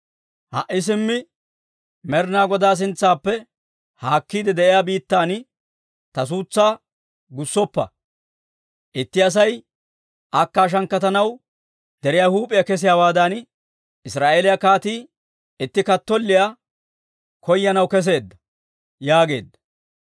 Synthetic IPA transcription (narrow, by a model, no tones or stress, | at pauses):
hɐ̰ʔːɪs̬ɪmːɪ | mɛɾnaːɡɔd̪aːs̬ɪnt͡sːaːpːɛ | haːkːiːd̪ɛd̪ɛʔɪjaːbiːt̪ːaːn | t̪ɐs̬uːt͡sːaː | ɡʊsːɔpːɐ̰ | ʔɪt̪ːɪɐs̬ɐj | ʔɐkːaːʃ̬ɐŋkːɐt̪ɐnɐw | d̪̥ɛɾɪjahuːpʼɪjakɛs̬ɪjaːwaːd̪ɐn | ɪsɾaːʔeːlɪjɐkaːt̪iː | ɪt̪ːɪkɐt̪ːɔlːɪja | kʰɔjːɐnɐwkɛs̬e̞ːd̪ːɐ̥ | jaːɡe̞̰ːd̪ːɐ̥